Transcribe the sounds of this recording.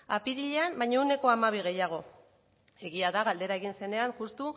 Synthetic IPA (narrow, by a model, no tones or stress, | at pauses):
apiɾiʎeambajɲaune̞ko̞amaβ̞iɣ̞e̞jaɣ̞o̞ | e̞ɣiaðaɣald̪e̞ɾae̞ɣinse̞ne̞aŋxust̪u